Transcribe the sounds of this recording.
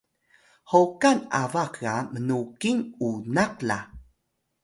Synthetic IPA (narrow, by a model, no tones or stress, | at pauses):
howkanavakɣamənukinunak̚la